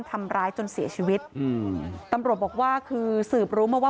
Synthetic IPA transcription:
nt̪ʰa˧mɾaː˦˥jt͡ɕo˧nsi˨˩˦ɐt͡ɕʰiː˧wi˦˥t̪̚ | t̪a˧mɾt̪̚bɔː˨˩k̚waː˥˩kʰɯː˧sɯː˨˩p̚ɾuː˦˥maː˧˩waː˥˩

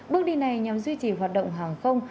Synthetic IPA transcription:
ɓɨ˦˥ək̚ɗi˧na˨˩jɲa˨˩mzwi˧t͡ɕi˨˩ɦwaː˨˩t̚ɗə̰˧˨wŋ͡mɦaː˨˩ŋxə˧wŋ͡m

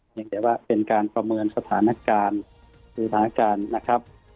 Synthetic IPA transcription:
hi˧ŋd̪ɛː˧˦waː˧˩pe˧nkaː˧npɾa˧mɤː˧nsa˧t̪ʰaː˩˦na˧˥kaː˧n | ɯː˨˦sa˧t̪ʰaː˦na˦˧kaː˧nːa˦˥˩kʰa˦˥p̚

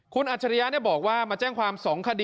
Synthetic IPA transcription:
kʰu˧nʔaː˨˩a˧ɾi˦˧ja˦˥ni˥˩bɔː˨˩k̚waː˥˩maː˧t͡ɕɛː˥˩ŋkʰwaː˧msɔː˩˦ŋkʰa˧diː˧

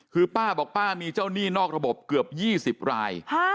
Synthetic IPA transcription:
kʰɯː˧paː˥˩bɔː˨˩k̚paː˥˩miː˧t͡ɕaː˥˩wniː˥˩nɔː˥˩k̚ɾa˧bo˨˩p̚kɯ˨˩əp̚jiː˥˩si˨˩p̚ɾa̰ː˧jʰ

